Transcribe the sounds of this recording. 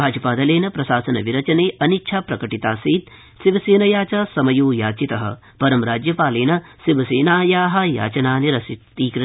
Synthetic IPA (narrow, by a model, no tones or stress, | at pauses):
aːd͡ʒɐpaːd̪ɐleːnɐpɾɐsaːsɐnɐʋiɾɐt͡ʃɐneːʔɐnitːʃʰaːpɾɐkɐʈit̪aːsiːt̪ | siʋɐseːnɐjaːt͡ʃɐsɐmɐjuːjaːt͡ʃit̪ɐɦɐ̰̆ | pɐɾɐmɾaːd͡ʒjɐpaːleːnɐsiʋɐseːnaːjaːɦɐja̰ːt͡ʃɐnaːniɾɐsit̪iːkɾɐ